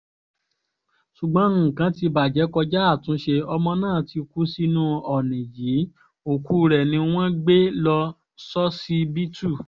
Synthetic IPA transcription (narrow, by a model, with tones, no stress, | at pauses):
ʃu˨ɡ͡bã˨˦ŋ̩˦˨kã˨˦ti˧ba˨d͡ʒɛ˨˦kɔ˧d͡ʒa˦a˦˨tũ˨˦ʃe˧ɔ˧mɔ̃˧nãː˦˨ti˧ku˦si˦nũ˦ɔ˨nĩ˨ji˨˦ | o˨ku˦ɾɛ˨nĩ˧w̃ɔ̃˦ɡ͡be˦lɔ˧ | sɔ˦si˦bi˦tu˦˨